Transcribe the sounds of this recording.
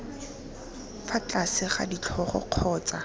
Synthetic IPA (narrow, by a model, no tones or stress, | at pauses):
fat͡ɬasɪχa̰dit͡ɬʰɔχɔ̰q͡χʰɔːt͡sa